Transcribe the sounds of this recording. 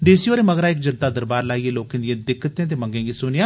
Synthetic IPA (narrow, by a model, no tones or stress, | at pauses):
ɖeːsiːoːɾeːməɡɾaːɪkd͡ʒənt̪aːd̪əɾbaːɾlaːiːeːloːkẽːd̪ijẽːd̪ɪkːət̪ẽːt̪̬eːməŋɡẽːɡiːsʊnɪãː